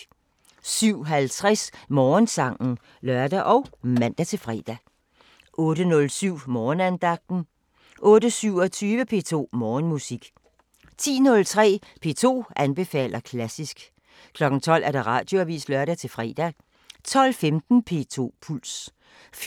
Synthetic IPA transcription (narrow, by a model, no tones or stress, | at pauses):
syʊ̰ɦælt͡sʰʁɛsmɒːnsɑ̈ŋ̰n̩ | lɶɐd̥æʔɒ̽ʊmæn̰d̥æt͡sʰe̝lfʁɛ̰ːd̥æ | ʔɔ̽ːɾənɔ̽lsyʊ̰mɒːnænd̥ɑ̈ɡ̥̚d̥n̩ | ʔɔ̽ːɾəsyʊ̰ɒt͡sʰyːʋəpʰe̝ːt͡sʰo̝̰ːmɒːnmusiɡ̥ | t͡sʰḭːnɔ̽lt͡sʰʁɛ̰ː | pʰe̝̰ːt͡sʰo̝̰ːʔænb̥e̝fɛ̰ːlɐkʰlæsisɡ̥ | kʰlɒ̽ɡ̥n̩t͡sʰɒ̽l̰ʔæɐd̥eʁɑ̰̈ːd̥jo̝æʋḭːsd̥lɶɐɾ̥æt͡sʰe̝lfʁɛ̰ːd̥æ | t͡sʰɒ̽l̰femd̥n̩pʰe̝̰ːt͡sʰo̝̰ːpʰuls